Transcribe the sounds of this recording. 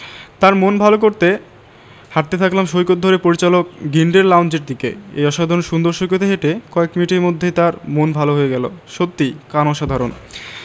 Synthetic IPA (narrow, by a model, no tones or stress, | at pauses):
t̪aɾmonbʱalok̬oɾt̪e | haʈ̚t̪ːet̪ʰaklamʃojkot̪̚d̪ʱoɾepoɾit͡ɕalok̚ɡiɳɖeɾlawnd͡ʑeɾd̪ikḛḛjɔʃad̪ʱaɾonʃund̪oɾʃojk̬ot̪eɦeʈekɔekminiʈeɾmod̪ʱːet̪aɾmonbʱaloɦoeɡɛloʃot̪ːikanɔʃad̪ʱaɾon